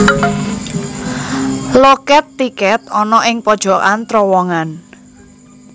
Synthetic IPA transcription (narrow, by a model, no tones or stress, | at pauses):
lokɛt̪ːikɛt̪ɔnɔʔɪŋpɔd̥ʒ̥ɔ̤ʔant̪ɾɔwɔŋan